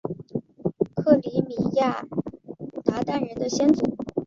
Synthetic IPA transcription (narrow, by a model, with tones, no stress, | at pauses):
kʰɤ˥˩li˧˥mi˨˩ja˥˩ | t̪a˧˥t̪a˥˩nɻə˧˥nd̪ə˧ɕjɛ˥nt͡su˨˩˦